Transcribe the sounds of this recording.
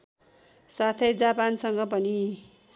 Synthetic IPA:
sat̪ʰʌjd͡zapansʌŋɡʌp̬ʌni

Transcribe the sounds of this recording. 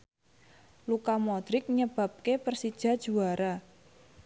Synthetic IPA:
lukamɔd̪̥ɾɪk̚ɲəb̥a̤p̚kepərsid̥ʒ̥a̤d̥ʒ̥ṳaɾa

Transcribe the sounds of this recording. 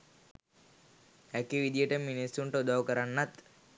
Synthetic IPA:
ækiʋid̪ijəʈəminisːuɳʈəud̪aʋwkəɾanːat̪

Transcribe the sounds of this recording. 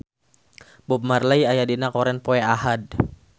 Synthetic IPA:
bup̚marlajajadinakɔɾɛnpoɛahad̚

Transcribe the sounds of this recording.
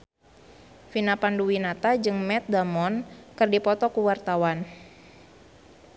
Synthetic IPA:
finapanduwinat̪ad͡ʒɨŋmɛt̪̚damɔnkɨrdipɔt̪ɔkuwart̪awan

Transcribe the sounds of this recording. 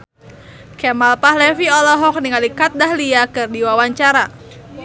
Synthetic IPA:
kɛmalpahlɛfiɔlɔɦɔk̚niŋalikat̪̚dahliakɨrdiwawaɲt͡ʃaɾa

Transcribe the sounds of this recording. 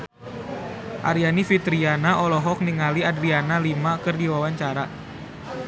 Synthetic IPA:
ʔaɾianifit̪ɾianaʔɔlɔɦɔk̚niŋaliadɾianalimakɨrdiwawaɲt͡ʃaɾa

